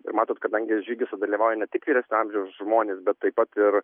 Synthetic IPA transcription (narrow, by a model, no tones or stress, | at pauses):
ɪɾmɑːt̪oːt̪kɐd̪ɐŋʲɡʲɪʒʲiːɡʲɪsɐd̪ɐlʲiːʋɑːʊjɛnʲɛt̪ʲɪkʋʲiːɾæsʲnʲʊɑmʲʒʲɛʊsʒmoːnʲeːsbʲɛt̪ːɐɪpːɐt̪ɪɾ